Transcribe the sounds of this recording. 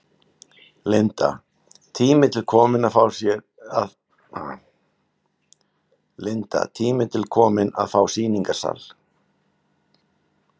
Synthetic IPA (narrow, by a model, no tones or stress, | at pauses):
lent̪a̰ | t̪ʰiːmɪt̪ʰɪlkʰɔːmɪnaðfaːwsjɛ | a | lent̪a̰t̪ʰiːmɪt̪ʰɪlkʰɔːmɪna̰ðfaːwsiːniŋkasa̰l